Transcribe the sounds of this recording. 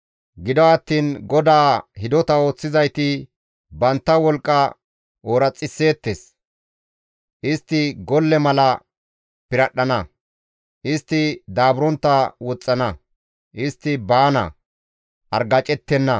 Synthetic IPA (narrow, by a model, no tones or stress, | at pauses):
ɡɪd̪ɔɐt̪ːiːnɡɔd̪aːhɪd̪ɔt̪ɐo̞ːt͡sːɪzɐjt̪ɪ | bɐnt̪ːɐwɔlkʼːɐ | oːɾɐt͡sʼːɪsːe̞ːt̪ːes | ʔɪst̪ːɪɡɔlːɛmɐlɐ | pɪɾɐɗːɐnɐ | ʔɪst̪ːɪd̪aːbʊɾɔnt̪ːɐwɔt͡sʼːɐnɐ | ʔɪst̪ːɪbaːnɐ̰ | ʔɐɾɡɐt͡ʃʼɛt̪ːɛnːɐ